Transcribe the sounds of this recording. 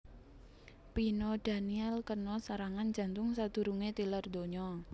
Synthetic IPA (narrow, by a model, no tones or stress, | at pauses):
pinɔd̪̥a̤niɛlkənɔsaɾaŋand͡ʒ̥ä̤nt̪ʊŋsad̪̥ṳɾuŋet̪ilərd̪o̤ɲɔ